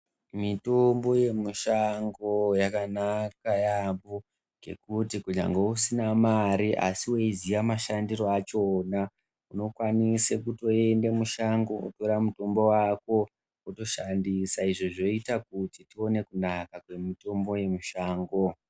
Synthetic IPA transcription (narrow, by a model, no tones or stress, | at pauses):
mito̞mbo̞je̞muʃaŋɡojakanakajambo | ɡʱe̞̰kutikuɲa̰ŋɡeusinamaɾiʔa̰siweiziʋamaʃandiro̞at͡ʃo̞ːna | uno̞kwanisekuto̞e̞ndemuʃaŋɡoṵtoɾamuto̞mbo̞wako̞ | uto̞ʃandisaiʐoʐo̞itak̚utitio̞ne̞kunakakwe̞mito̞mbo̞je̞muʃaːŋɡo̞